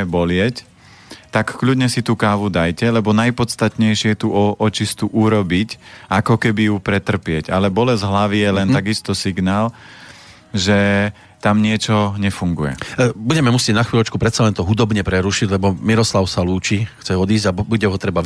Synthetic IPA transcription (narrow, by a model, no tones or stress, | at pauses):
ɛbɔlɪɛc | t̪akːʎudɲɛsit̪uːkaːʋud̪ajcɛlɛbɔnajpɔt̪st̪at̪ɲɛjʃɪɛjɛt̪uɔʔɔt͡ʃist̪uʔuɾɔbicakɔkɛbijupɾɛt̪r̩pɪɛɟalɛbɔlɛzɦlaʋijɛlɛnt̪aɡist̪ɔsiɡnaːl | ʒɛ | t̪amɲɪɛt͡ʃɔɲɛfuŋɡujɛ̰buɟɛmɛmusɪɛɟnaxʋiːlˠɔt͡ʃkupɾɛt̪salɛnt̪ɔɦud̪ɔbɲɛpɾɛɾuʃiɟlɛbɔmiɾɔslaʊsaluːt͡ʃixt͡sɛɔd̪iːzɟabuɟɛɦɔt̪ɾɛba